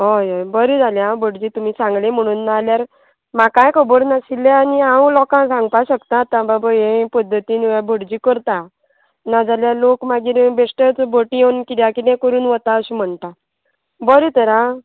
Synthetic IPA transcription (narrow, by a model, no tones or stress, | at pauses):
ɦojojbəɾid͡zʱaljãbʱəɽd͡ʑiːt̪um̤iːsãŋɡlẽm̤əɽ̃unːaːljaɾ | makajkʰəbəɽnasilːeaniaũlɔkãsãŋɡpaɕəkt̪aːt̪ãbabaẽpəd̪ʱːət̪iːniʋjabʱəɽd͡ʑiːkəɾt̪a | nad͡zaljalokmaɡiːɾbeʂʈət͡sbʱəʈijewnkiljakit̪ɛ̃kəɾuːnʋət̪aəɕim̤əɳt̪a | bəɾit̪əɾã